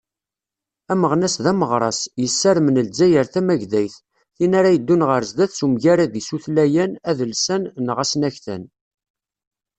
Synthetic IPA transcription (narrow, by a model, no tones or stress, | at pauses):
æməʁnæsðæməʁɾˤɑsjəsːæɾmənəld͡zːæjəɾθæmæʝðæjθ | θinaɾajəd̪ːunʁəɾzd̪æθsumʝæɾæðisuθlæjænæðəlsænnʁæsnæçθə̰n